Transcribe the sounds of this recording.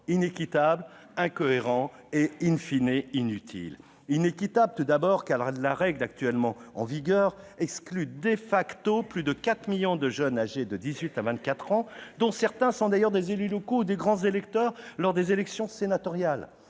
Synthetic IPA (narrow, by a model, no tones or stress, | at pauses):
inekʲit̪abl | ɛ̃kɔeʁɑ̃einfineinyt̪ʰḭl | inekʲit̪ablt̪ud̪abɔʁkalaʁɛɡlak̚t̪ɥɛlmɑ̃ɑ̰̃viɡœːʁɛksklyd̪efakt̪oplyd̪əkat̪χmiljɔ̃d̪əʒənaʒed̪əd̪izɥit̪avɛ̃t̪̚kat̪χɑ̃d̪ɔ̃sɛʁt̪ɛ̃sɔ̃d̪ajœʁd̪ezelylɔkoud̪eɡʁɑ̃zelɛkt̪œːʁlɔʁd̪ezelɛksjɔ̃senat̪ɔʁjal